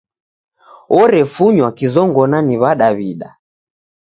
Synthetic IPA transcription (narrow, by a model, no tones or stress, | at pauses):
ɔɾɛfuɲwakizɔŋɡɔnaniβaɗaβiɗa